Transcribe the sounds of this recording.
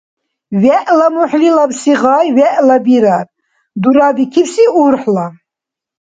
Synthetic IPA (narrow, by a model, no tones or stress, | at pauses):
vɛʔlamuħlilabsiʁajwɛʔlabiɾar | d̪uɾabikʰipsiuɾħla